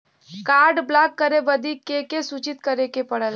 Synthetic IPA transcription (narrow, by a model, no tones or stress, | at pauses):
kaːɾɖblaːkːəɾeʋəd̪ikekesut͡ʃɪt̪kəɾekepəɽəl